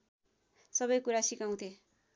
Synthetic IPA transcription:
sʌβʌjkuɾasikaw̃t̪ʰe

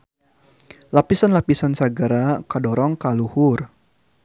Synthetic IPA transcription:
lapisanlapisansaɡaɾakadɔɾɔŋkaluhʊr

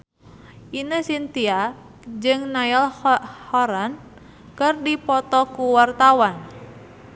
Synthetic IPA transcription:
ʔinəsint̪ia | d͡ʒɨŋnaalhɔɾan | kɨrdipɔt̪ɔkuwart̪awan

